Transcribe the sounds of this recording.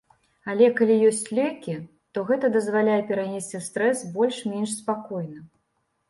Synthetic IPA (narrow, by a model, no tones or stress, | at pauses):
alʲɛkalʲijɔsʲt͡sʲlʲɛkʲi | t̪ɔɣɛt̪ɐd̪ɐzvalʲajɛpʲɛɾanʲɛsʲt͡sʲiwst̪ɾɛsbɔlʲʂmʲɛnʂspakɔjnɐ